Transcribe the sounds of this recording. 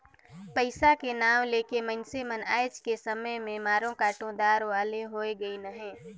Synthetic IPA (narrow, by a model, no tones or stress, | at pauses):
pəɪsakenaːʋleːkemə̃nseməna̰ːɪt͡ʃkesəməjmẽmaːɾõkaːʈõd̪aːɾʋaːleɦoeɡəinɐɦẽː